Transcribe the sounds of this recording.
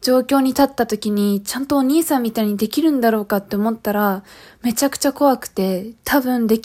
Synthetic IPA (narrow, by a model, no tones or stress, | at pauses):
d͡ʑo̞ːkʲo̞ːɲ̟it̪at̪ːat̪o̞kʲiɲ̟it͡ɕãnt̪o̞ːɲ̟iːsãmʲːit̪aiɲ̟id̪e̞kʲiɾɯ̟̃nd̪aɾo̞ːkat̪ːe̞omo̞t̪ːaɾame̞t͡ɕakɯ̟̥t͡ɕako̞βakɯ̟̥t̪e̞t̪ʰabɯ̟̃nd̪e̞kʲ